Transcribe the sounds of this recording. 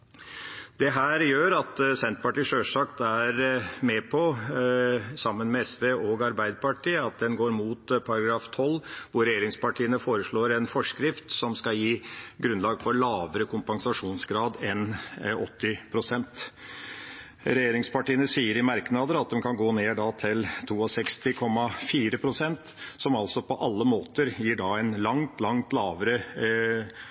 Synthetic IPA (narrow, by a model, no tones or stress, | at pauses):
d̪̥ɛɦæːɾjøːɾɑt̪sɛnt̪pɑʈiːʂøːʂɑkt̪æɾmɛpʰɔ | sɑmːənmɛɛsʋeːʔɔɡɑɾbæɪd̪əpɑʈʰiːəɑt̪̚d̪ɛnɡoːɾmuːt̪pʰɑɾɑɡɾɑːft̪ʰɔlʋʊɾɾɛjeːɾɪŋspɑʈʰiːənəfoːɾəʂɭoːɾɛnfɔʂkɾɪft̪sɔmskɑjiːɡɾʉnlɑːɡfɔɾɭɑːʋəɾəkʰʊmpɑŋsɑʂuːnsɡɾɑːd̪ɛnɔt̪ʰːɪpʰɾʊsɛnt̪ | ɾɛjeːɾɪŋspɑʈiːənəsiːəɾɪmɑɾknɑd̪əɾɑt̪̚d̪ɛmkʰɑnɡoːneːɖɑt̪ʰɪlt̪ʰuːɔsɛkst̪ɪkʰɔmːɑfiːɾəpʰɾʊsɛnt̪sɔmɑlsɔpʰɔʔɑlːəmoːt̪əɾjiːɖɑɛnlɑŋt̪lɑŋt̪lɑːʋəɾə